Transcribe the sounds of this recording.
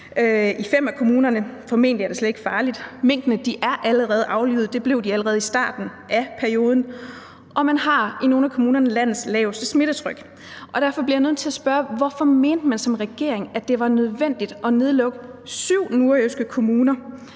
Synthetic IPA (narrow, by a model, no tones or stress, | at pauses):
øifem̰ækʰo̝muːnɐnəfɒ̽me̝̰ːndəjɑɐde̝sled̥e̝ɡ̥fɑ̈ːlid̥me̝ŋ̰d̥nəd̥iʔæɐʔæləʁɛːð̞̩ˠʔɑ̈ʊly̰ːð̩ˠd̥e̝b̥le̝ʊ̰d̥iæləʁɛːð̩ˠisd̥ɑ̰̈ːd̥n̩ʔæpʰæɐio̝ːð̞ˠn̩ | ʔɒ̽mænhɑ̈ino̝ːnækʰo̝muːnɐnəlæn̰ð̩ˠslɛ̰ʊsd̥əsme̝ɾ̥ət͡sʰʁœɡ̥ | ʔɒ̽d̥æɐ̰fɒ̽b̥liɐjanøð̰ˠt͡sʰe̝æsb̥ɶɐʋɒfɒme̝ːnd̥əmænsɒ̽mʁɛɡ̥e̝̰ɐeŋæd̥e̝ʋɑ̈nøð̞ˠʋen̰d̥id̥ɒ̽ne̝ð̞ˠlɔ̽ɡ̥ə | syʊ̰nuɐøsɡ̥əkʰo̝muːnɐ